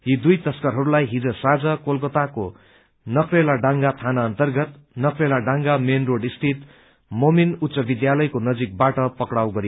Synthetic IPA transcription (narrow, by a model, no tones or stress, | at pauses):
jid̪ujt̪ʌskʌɾɦʌɾulajɦid͡zʌsad͡zʌkolkot̪ako | nʌkrelaɖãŋɡat̪ʰanaʌnt̪ʌrɡʌt̪ | nʌkrelaɖãŋɡamenroɽist̪ʰit̪ | mominut̪sʌbid̪jalʌjkonʌd͡zik̚baʈʌpʌkɽawɡʌɾi